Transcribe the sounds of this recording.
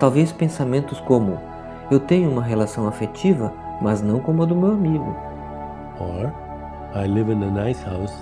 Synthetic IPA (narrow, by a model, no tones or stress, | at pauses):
t̪awvespẽsamẽnt̪ʊskõmʊ | ewt̪ẽɲʊũmɐɦelasɐ̃w̃afet͡ʃivɐ | mɐznɐ̃w̃kõmʊɐd̪ʊmewamiɡʊ̰ | ɔ | ajlɪvɪ̃nənajshaws